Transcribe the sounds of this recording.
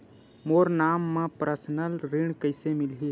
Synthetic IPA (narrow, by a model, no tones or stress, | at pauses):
moːɾnaːmːẽpɾəsnəlɾiɳ̃kəɪsemɪlɦi